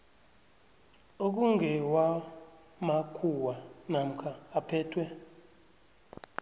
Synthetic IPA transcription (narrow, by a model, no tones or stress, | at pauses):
ok̬uŋɡɛwa | makʰuwanam̩kʰaːpʰɛːtʰwɛ